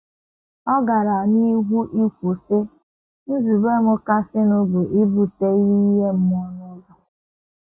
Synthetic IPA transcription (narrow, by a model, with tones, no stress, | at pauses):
ɔ˦ɡa˨ɾa˨ni˦ɦu˦ʔi˦kʷu˨sɪ˦ | n̩˦zu˨be˦mʊ˦ka˦sɪ˦no˦bʊ˨ʔi˦bu˨te˦i˦i˦ɦe˦m̩˦m˦ɔ˦nʊ˦ɡʊ˨